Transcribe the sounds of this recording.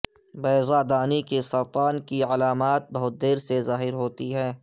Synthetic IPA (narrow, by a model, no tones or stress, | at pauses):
bɛːzad̪aːnikesɐɾt̪aːnkialaːmaːt̪̚bɐɦʊt̪̚d̪eːɾsezaːɦɪɾɦoːt̪iɦɛ̃ː